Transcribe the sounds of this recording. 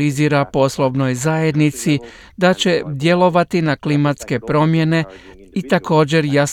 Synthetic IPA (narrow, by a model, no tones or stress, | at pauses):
iziːɾapo̞slˠo̞ʋno̞jzaje̞d̪nit̪si | d̪at͡ɕe̞d̪je̞lo̞ʋat̪inaklimat̪ske̞pɾo̞mje̞ne̞ | it̪ako̞ːd͡ʑe̞ɾjas